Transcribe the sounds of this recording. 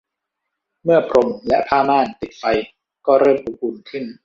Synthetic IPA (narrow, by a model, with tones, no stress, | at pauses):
mɯ˥˩ɐpʰɾo˧mlɛ˦˥ʔpʰaː˥˩maː˥˩nt̪i˨˩t̪̚fa˧j | kɔː˥˩ɾɤː˥˩mʔu˧kuː˧nkʰɯ˥˩n